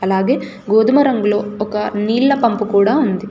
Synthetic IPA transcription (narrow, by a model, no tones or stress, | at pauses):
ɐlaːɡe̞ː | ɡoːd̪umɐɾɐŋɡuloːɔkɐniːlːɐpɐmpukuːɽaːund̪i